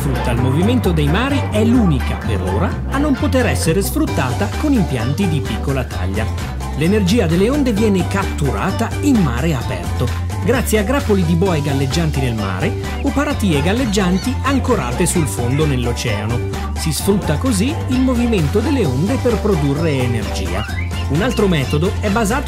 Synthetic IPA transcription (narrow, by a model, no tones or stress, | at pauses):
sfɾut̪ːalmoviment̪od̪ejmaːɾiɛluːnikapḛɾo̰ːɾaːnːompot̪eɾɛsːeɾesfɾut̪ːaːt̪akonimpja̰nt̪id̪ipikːolat̪ʰa̰ʎːa̰ | lenerd͡ʒiːad̪elːeond̪evjɛːnekat̪ːuɾa̰ːt̪a | immaːɾeapɛ̰rt̪o | ɡɾat̪sːjeaɡɾapːolid̪ibɔːeɡalːed͡ʒːant̪inelma̰ːɾe | upːaɾat̪iːeɡalːed͡ʒːant̪iaŋkoɾa̰ːt̪esulfond̪onelːot͡ʃɛ̰ːa̰no | sisfɾut̪ːakozi | ilmoviment̪od̪elːeond̪eperpɾod̪urːeːnerd͡ʒḭːa̰ | unalt̪ɾomɛːt̪od̪oɛbːazaːt̪